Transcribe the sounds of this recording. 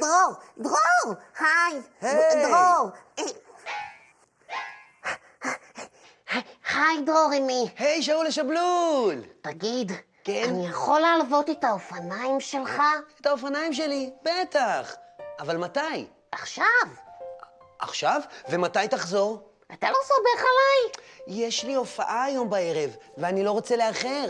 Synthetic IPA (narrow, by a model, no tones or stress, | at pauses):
d̥ʁoʁdʁoʁχajhed̪ʁoʁ | aχajdʁo̞ʁimihejʃ̬auleʃablultaɡid | keannijaχo̞laalvo̞t̪etaofanaimʃe̞lχaetaofanaimʃe̞libet̪aχavalmataj | ʔaχʃav | ʔa̰χʃavve̞matajtaχzo̞ʁ | atalo̞sobeχalajjeʃlio̞fa̰ʔaːjo̞mbae̞ʁe̞vveanilo̞ʁo̞t͡seleaχe̞ʁ